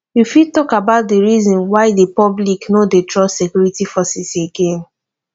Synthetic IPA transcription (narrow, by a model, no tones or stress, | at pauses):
jufitɔkabaʊt̚diɹizɔ̃nwaɪdepɔbliknodetɹɔsekjuɹitifɔsɛseɡẽn